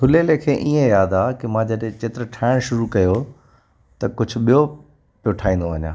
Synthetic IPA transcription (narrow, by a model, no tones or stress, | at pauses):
t̪ʰʊleːlekʰeːʔiːẽjaːd̪aːkɪmãd͡ʑɐɗ̃t͡ɕeːt̪ɪɾəʈʰaːɪɽ̃ʃʊɾukɐjo | t̪ɐkʊd͡ʑʱʊ̆ɓijo | pjoʈʰaːĩːnd̪oʋɐɲã̰ː